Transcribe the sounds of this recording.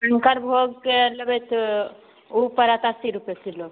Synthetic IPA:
əŋkəɾbʱoɡ̚keləbɛt̪ʰ | upəɾət̪asiɾupesʰilo

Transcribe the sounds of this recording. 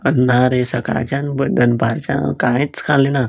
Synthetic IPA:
ənːaɾesəka̰t͡ɕãnbəd̪ənbaɾt͡ɕã̰kãjt͡skʰalena

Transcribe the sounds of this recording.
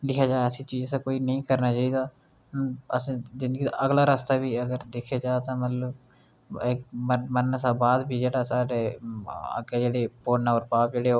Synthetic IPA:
lɪkʰjaːd͡ʒaːəsiːt͡ʃiːd͡ʒt̪aːkoːiːnəĩːkəɾnaːt͡ʃaːiːd̪aː | əsãd͡ʒɪ̃nd̪əɡiːt̪a̰ʔəɡlaːɾast̪aːbiːəɡəɾd̪eːkʰjaːd͡ʒaːt̪ãːmət̪ləb | ɪkməmənəsaːbaːd̪biːd͡ʒeːɽaːsaːɖeːə̰ɡed͡ʒeːɽeːpoːnaːoːɾpaːp̚d͡ʒeːɽeːoː

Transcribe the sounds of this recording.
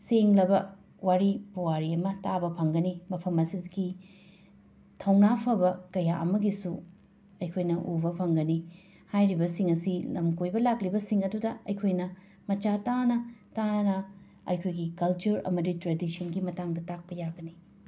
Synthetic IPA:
seŋlɐbɐ | waɾipuwaɾiɐmɐtabɐpʰɐŋɡɐnimɐpʰɐmɐsizɡi | tʰɐwnapʰɐbɐkɐjaʔɐ̰mɐɡisu | ɐjkʰojnɐʔubɐpʰɐŋɡɐni | hajɾibɐsiŋɐsilɐmkojbɐlak̚libɐsiŋɐdudɐɐjkʰojnɐ | mɐt͡ʃatanɐtanɐ | ɐ̰jkʰojɡikɐlt͡ʃuɾɐ̰mɐditɾedisɐnɡimɐtaŋdɐtak̚pɐjaɡɐni

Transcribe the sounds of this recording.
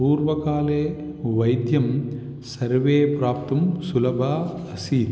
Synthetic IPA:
puːɾʋɐkaːleː | ʋɐjd̪jɐm | sɐɾʋeːpɾaːp̚t̪ɐmsulɐbʱaː | ɐsiːd̪

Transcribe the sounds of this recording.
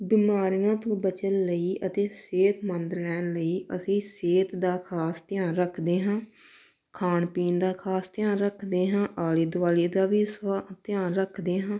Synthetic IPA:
bɪmaːɾiːãːt̪õːbət͡ʃənləiːʔət̪eːseːt̪mənd̪lɛːnləiːʔəsĩːseːt̪d̪aːkʰaːst̪ɪjaːnɾəkʰd̪eːɦãː | kʰaːnpiːnd̪aːkʰaːst̪jaːnɾəkʰd̪eːɦãːʔaːliːd̪ʊʋaːliːd̪aːʋiːsʋaːt̪ɪjaːnɾəkʰd̪eːɦãː

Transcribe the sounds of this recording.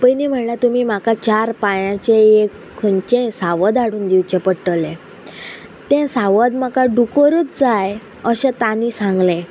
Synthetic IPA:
pəjnim̤əɳɳjat̪umiːmakat͡ɕaɾpajãt͡ɕeekʰːəɳt͡ɕẽsaʋəd̪aɽuːnd̪iwt͡ɕepəʈəlẽ | t̪ẽsaʋəd̪makaɖukəɾəːt͡sd͡zaj | əɕɛ̃t̪aniːsãŋɡlẽ

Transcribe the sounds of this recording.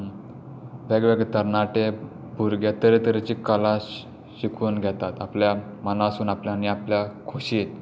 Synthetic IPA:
ʋɛɡʋeɡt̪əɾnaʈe | bʱuɾɡʱɛt̪əɾet̪əɾet͡ɕikala | ɕikʰuːnɡʱjɛt̪at̪aplja | mənasuːnapljaniapljakʰoɕiːt̪

